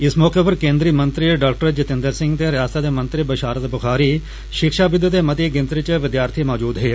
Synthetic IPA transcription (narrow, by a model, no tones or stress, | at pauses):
ɪsmɔːkepɐɾkẽːnd̪ɾiːmɐ̃nt̪ɾiɖaːkʈəɾd͡ʒɪt̪ɪ̃nd̪əɾsɪ̃ŋɡt̪eɾɪjaːst̪at̪emɐ̃nt̪ɾɪbɐʃaːɾət̪bʊxʰaːɾi | ʃɪkʃaːbɪd̪ːət̪emɐt̪jeɡɪ̃nt̪ɾɪt͡ʃəʋɪd̪jaːɾt̪ʰimɔːd͡ʒuːd̪ɦeː